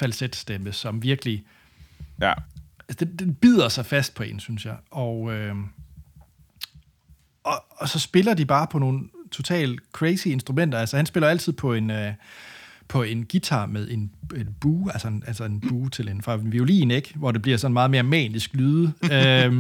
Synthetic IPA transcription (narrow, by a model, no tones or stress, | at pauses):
fælsed̥sd̥eməsɒ̽mʋiɐɡ̥əli | æsəd̥ed̥enb̥ið̰ˠɐsɑ̈ɪfæsd̥̚pʰɒ̽e̝nsynsjɑ̈ɪʔɒ̽ø | ʔɒ̽ɒsɒ̽sb̥e̝lɐd̥ib̥ɑ̈ːpʰɒ̽no̝ːn̩t͡sʰo̝t͡sʰɛ̰ːlkʰʁɛɪsie̝nsd̥ʁumen̰d̥ɐælsɐhænsb̥e̝lɐæl̰t͡sʰið̰ˠpʰɒ̽e̝nø | pʰɒ̽e̝nɡ̥it͡sʰɑ̈ːmeðˠe̝ne̝nb̥uːælsɐenʔælsəe̝nb̥uːt͡sʰe̝le̝nfʁɑ̈ʋio̝lḭːneɡ̥ʋɒd̥e̝b̥liɐsɒ̽nmɑ̈ːð̞̩ˠme̝ɐmɛ̰ːnisɡ̥lyːðˠəø